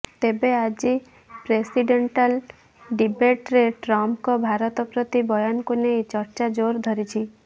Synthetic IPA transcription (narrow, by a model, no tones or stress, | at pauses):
t̪ebead͡ʒi | pɾesiɖeɳʈal | ɖibeʈɾeʈɾɔmkɔbʱaɾɔt̪ɔpɾɔt̪ibɔjɔnkunejt͡ʃɔɾt͡ʃad͡ʒoɾd̪ʱɔɾit͡ʃʰi